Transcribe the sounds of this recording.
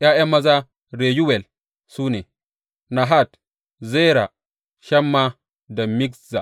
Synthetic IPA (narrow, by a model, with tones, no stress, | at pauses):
ʔa˦ʔɛ˦mːa˦za˦ | ɾe˨ju˦wɛ˨l | suː˦nɛ˨ | na˨ɦa˦t | zɛ˦ɾa˨ | ʃa˦mːa˦ | da˨mi˦kza̰˨